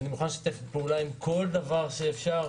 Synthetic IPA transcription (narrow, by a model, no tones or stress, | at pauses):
nimexonaʃi̥t̪efpeulaimkʰo̞ld̪avaʁʃeːfʃaʁ